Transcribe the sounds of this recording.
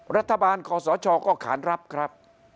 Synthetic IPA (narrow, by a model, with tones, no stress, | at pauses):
ɾa˦˥t̪ʰːa˧baː˧nkʰɔː˧sɔː˩˦t͡ɕʰɔː˧kɔː˥˩kʰa̰ː˩˦nɾa˦˥p̚kʰɾa˦˥p̚